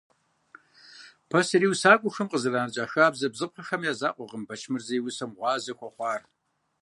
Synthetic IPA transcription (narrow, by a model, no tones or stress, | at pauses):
pʰɐsɨɾiːwsaːkʷʼʊxɨmqʼəzɨraːnɨt͡ʃʼaːxaːbzɐbzɨp̚ʷʰɐxɐmjaːza̰ːqʷʼɔʁəmbɐt͡ʃʰmɨrzɐjwʊsɐmʁʷɑːzɐxʷʰɔχʷɑːr